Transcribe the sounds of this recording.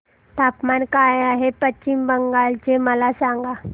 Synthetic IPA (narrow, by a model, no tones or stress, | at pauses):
t̪apmankajaɦepət͡ɕimbəŋɡalt͡ɕeməlasaŋɡa